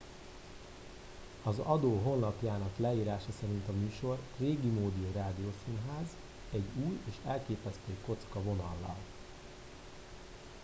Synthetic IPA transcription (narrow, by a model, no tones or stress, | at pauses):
ɒzɒd̪oːɦo̞nːɒpjaːnɒklɛiːɾaːʃɒsɛɾint̪ɒmyːʃo̞rreːɡimoːd̪ioːraːd̪ioːsinɦaːz | ɛɟːuːjeːʃɛlkeːpɛst̪øːko̞t̪skɒvo̞nɒ̰lːɒ̰l